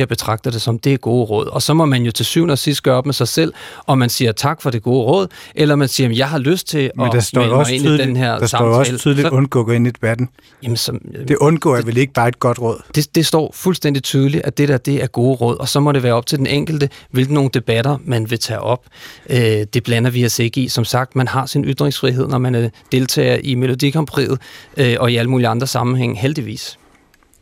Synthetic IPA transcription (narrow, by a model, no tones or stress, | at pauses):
b̥e̝t͡sʰʁɑ̈ɡ̥̚d̥ɐd̥e̝sɒ̽md̥e̝æɡ̥o̝ːəʁɔ̽ð̞̰ˠɒ̽sɒ̽mɒ̽mænjo̝t͡sʰe̝sy̰ːnɒsisd̥ɡ̥ɶːɐɒ̽b̥mesɑ̈ɪsel̰ʔɒ̽mænsiːɐt͡sʰɑ̈ɡ̥fɒ̽ɾ̥e̝ɡ̥o̝ːəʁɔ̽ð̰ˠʔelɐɒmænsiːɐɒmjɑ̈ɪɦɑ̈løsd̥̚t͡sʰe̝ɒ̥̽asd̥ee̝nidenheɐ̰dasɑ̈ɒm̰ɒsɛːlʰyðˠliɔ̽nɡ̥ɔ̰ːɡ̥e̝nid̥e̝b̥æd̥n̩ | jæmənsɒd̥e̝ʔɔ̽nɡ̥ɔ̰ːaʋele̝ɡ̥əb̥ɑ̈ːed̥̚ɡ̥ɒ̽d̥ʁɔ̽ð̰ˠd̥e̝d̥e̝sd̥ɒ̰ːfulsd̥en̰d̥it͡sʰyːð̞ˠəliʔæd̥eɾæɐd̥e̝æɐɡ̥o̝ːʁɔ̽ð̰ˠɒ̽sɒ̽mɒ̽ɾe̝ʋæːɐɒ̥t͡sʰe̝ld̥enʔeŋ̰ɡ̥l̩d̥əʋe̝lɡ̥əno̝ːn̩d̥e̝b̥æɾɐmænʋe̝t͡sʰɛ̰ːʔɒ̽b̥̚ød̥e̝b̥lænɐʋiæse̝ɡ̥əisɒ̽msɑ̈ɡ̥̚d̥mænɦɑ̈sinyd̥ʁeŋsfʁiɦe̝ð̰ˠnɒmænd̥e̝lt͡sʰɛ̰ːɐʔime̝lo̝d̥ikʰɑmpʰʁḭːð̞̩ˠøʔɒ̽iæləmuːliɑ̈nd̥ʁɐsɑ̈mn̩ɦeŋ̰ɦeld̥iʋḭːs